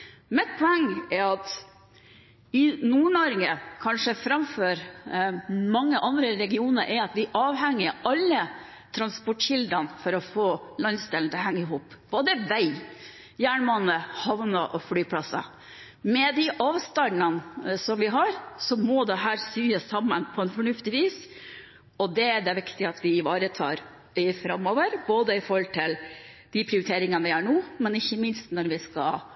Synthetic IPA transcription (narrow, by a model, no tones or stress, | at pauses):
mɛt̪̚pʰɔɛŋːɛɾɑt̪ | ɪnuːnoːɾɪŋəkʰɑnʂəfɾɑmføːɾ | mɑŋːəʔɑnd̪ɾəɾɛɡɪuːnəɾʔɛɾɑt̪ʋɪʔɑːʋɦɛŋːɪʔɑlːə | t̪ʰɾɑnspɔʈʃɪld̪ɾɑnfɔɾɔfoːlɑnst̪ɪlnt̪ʰɦæŋːəɪɦuːpb̥oːd̪əʋæɪ | jæːɳmɑnəhɑʋnɑʔɔflyːpʰlɑsɑ̰ | mɛd̪ɪʔɑːʋst̪ɑɑnsɔmʋɪɦɑɾsɔmɔd̪ɛɦæːɾsyːəsɑmːənpʰɔɛnfɔɳʉft̪ɪʋiːs | ɔd̪ɛæɖ̪ɛʋɪkt̪ɪɑt̪ʰʋɪɪʋɑːɾət̪ʰɑ̰ːɾ | ɪfɾɑmːɔːʋəɾboːd̪əɪfɔɾhɔlt̪ʰɪld̪̥ɪpʰɾɪʊɾɪt̪ʰeːɾɪŋɑnʋɪhæɳuːmɛnɪçːəmɪnst̪nɔɾʋɪskɑ̰